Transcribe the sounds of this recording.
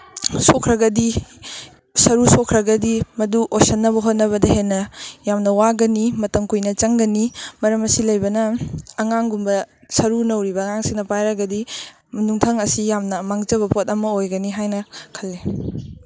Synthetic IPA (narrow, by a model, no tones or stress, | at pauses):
sokʰɾɐɡɐdi | sɐɾusokʰɾɐɡɐdimɐduʔosɐnːɐbɐɦot̚nɐβɐdɐɦenːɐjamnɐwaɡɐnimɐtɐŋkujnɐt͡ʃɐŋɡɐnimɐɾɐmɐsilɐjbɐnɐːŋaŋɡumbɐ | sɐɾunɐwɾibɐŋaŋsiŋnɐpajɾɐɡɐdi | mɐnuŋtʰɐŋɐsijamnɐmaŋt͡ʃɐbɐpot̚ɐmɐojɡɐniɦajnɐkʰɐlːe